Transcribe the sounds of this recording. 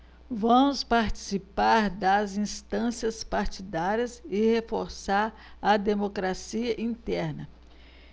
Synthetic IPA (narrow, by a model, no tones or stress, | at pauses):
vɐ̃mʊspaɾt͡ʃi̥sipaɾd̪ɐzĩst̪ɐ̃siɐspaɾt͡ʃid̪aɾiɐzɪhefoɾsaɾ | ɐd̪emokɾasiɐʔĩnt̪ɛɾnɐ